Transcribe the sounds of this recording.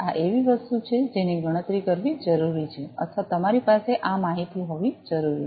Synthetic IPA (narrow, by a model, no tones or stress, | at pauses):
aʔeʋiʋəst̪ut͡ʃʰed͡ʒeniɡʱəɽ̃ət̪ɾikəɾʋid͡ʒəɾuɾit͡ʃʰeə̰t̪ʰʋat̪əmaɾipaseʔamaɦit̪iɦoʋid͡ʒəɾuɾi